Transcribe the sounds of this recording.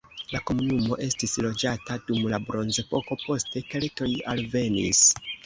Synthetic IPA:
lako̞munumo̞ʔe̞stislo̞d͡ʒatadumlabɾo̞nzepo̞ko̞po̞ste̞ke̞lto̞jalve̞nḭs

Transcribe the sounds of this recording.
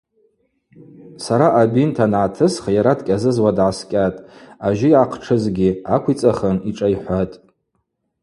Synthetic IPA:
saɾaʔabintʰanʕatʰɨsχajaɾadkʲʼazɨzwadʕaskʲʼatʼaʒɪjʕaqʰʈ͡ʂʰɨzɡʲiakʷʰit͡sʼaχəniʈ͡ʂʼajħʷatʼ

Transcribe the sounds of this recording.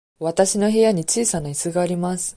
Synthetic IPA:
βat̪aɕino̞ɦe̞jaɲ̟it͡ɕiːsanaisɨɡaːɾʲimasɨ̥

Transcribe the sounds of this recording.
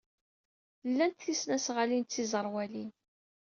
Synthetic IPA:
lːænt̪θisnæsʁalint͡sːizˤəɾˤwælin

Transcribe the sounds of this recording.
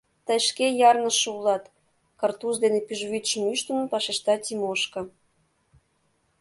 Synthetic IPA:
t̪əjʃkejɑrnə̆ʃulɑt̪ | kɑrt̪uʃd̪enepyʒβyt̪ʃmyʃt̪ənə̆npɑʃeʃt̪ɑtʲimoʃkɤ̆

